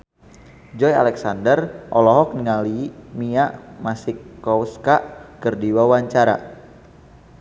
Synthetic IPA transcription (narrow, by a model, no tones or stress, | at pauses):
d͡ʒɔja̰lɛksandərʔɔlɔɦɔk̚nəŋalimiaʔmasikːɔwskaʔkərdiwawaɲt͡ʃaɾa̰